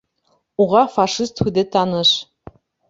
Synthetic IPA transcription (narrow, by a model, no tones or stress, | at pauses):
uʁɑfɑʂist̪xud̪ɘt̪ɑnɤ̆ʃ